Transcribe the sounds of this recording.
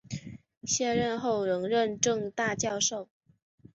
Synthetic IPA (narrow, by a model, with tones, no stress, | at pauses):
ɕjɛ˥˧ɻə˥˧nxo˥˩ʊɻɤ˧˥ŋɻə˥˧nʈ͡ʂɤ˥˧ŋt̪a˥˧t͡ɕjɑ˥˧ʊʂo˥˩ʊ